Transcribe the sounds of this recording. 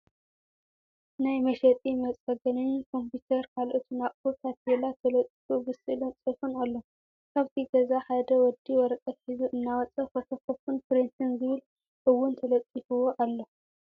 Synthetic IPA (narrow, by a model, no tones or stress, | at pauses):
najmɐʃɐt̪ʼimɐt͡sʼɐɡɐnɨnkʰo̞mput̪ʰɐɾkʰalʔot̪ʰunafuɾt̪ʰat̪̚jelat̪ʰɐlɐt͡s̪ʼːi̥fubɨsɨlont͡sʼɨfunalːo | kʰaβt̪ʰiɡɐzaħad̪ɐwɔd̪iwɔɾɐkʼɐt̪ħizuʔɨnːawɐt͡sʼɐxɐfɐfɐfunpɾint̪ɨnzɨβɨl | ʔɨwːʊnt̪ʰɐlɐt̪ʼːifuwoʔalːo